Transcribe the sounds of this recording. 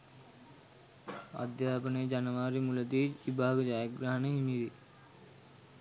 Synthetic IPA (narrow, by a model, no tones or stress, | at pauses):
a̰d̪jaːpənəjəd͡ʑanəʋaːɾimuləd̪iːʋibʱaːɡəd͡ʒaːjəɡɾaɦɐnəɦimiʋe